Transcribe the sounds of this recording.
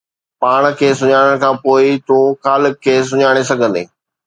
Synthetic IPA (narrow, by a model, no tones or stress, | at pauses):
paːɽ̃kʰeːsʊɲaːɽ̃əɽ̃̆kʰãːpoːɪt̪ũːxaːlɪkʰːeːs̬ʊɲaːɽ̃esɐɡʱə̃nd̪ḛː